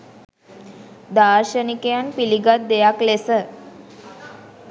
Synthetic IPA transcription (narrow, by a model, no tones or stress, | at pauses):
d̪aɾɕənikjanpiliɡat̪̚d̪ejaklesə